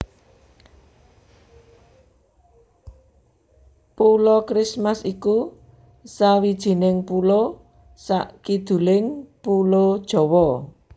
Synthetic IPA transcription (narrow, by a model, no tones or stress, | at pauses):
pulɔkɾismasiku | sawid̥ʒ̥i̤nɪŋpulo | sa̰ʔkid̪̥ṳlɪŋpulod̥ʒ̥ɔ̤wɔ